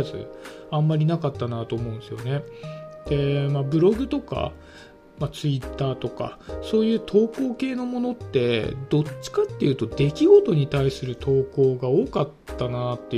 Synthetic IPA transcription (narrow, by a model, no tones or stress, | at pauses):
zɨ̰ãmːaɾʲinakat̪ːanat̪o̞ːmo̞ɯ̃nd̪esɨjo̞ne̞d̪̥e̞mabɯ̟ɾo̞ɡɯ̟t̪o̞ka̰ | mat͡sɨit̪ːaːt̪o̞ka̰so̞ːjɯ̟ːt̪ʰo̞ːko̞ːke̞ːno̞mo̞no̞t̪ːe̞d̪̥o̞t͡ɕɕi̥kat̪ːe̞jɯ̟ːt̪o̞d̪e̞kʲiɡo̞t̪o̞ɲ̟it̪aisɨɾɯ̟t̪ʰo̞ːko̞ːɡao̞ːkat̪ːanat̪ːe̞